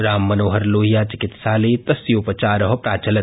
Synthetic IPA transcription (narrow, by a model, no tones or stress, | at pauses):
ɾaːmːɐnoːɦəɾloːɦijaːt͡ʃɪkɪt̪ʃaːleːt̪ɐsjoːpɐt͡ʃaːɾɐɦɐpɾaːt͡ʃɐlɐ